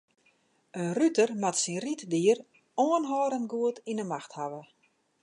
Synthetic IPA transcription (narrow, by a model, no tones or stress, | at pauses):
ənrytərmatsinritdiər | oənɦɔːɾənɡuətinəmaxthaʋə